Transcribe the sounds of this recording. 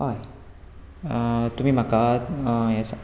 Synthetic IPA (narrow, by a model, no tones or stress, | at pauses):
oj | ət̪umiːmakajɛs